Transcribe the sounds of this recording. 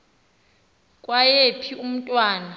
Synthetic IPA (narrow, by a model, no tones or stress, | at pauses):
kʼwajepʰium̩tʼwaːna